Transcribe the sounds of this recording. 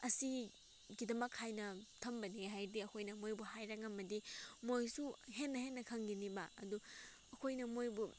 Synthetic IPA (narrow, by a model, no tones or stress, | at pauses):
ɐsi | ɡidɐmɐkʰːajnɐtʰɐmbɐniɦajdiɐkʰojnɐmojbuhajɾɐŋɐmɐdimojsuɦenːɐhenːɐkʰɐŋɡinibɐɐdu | ɐkʰojnɐmojbu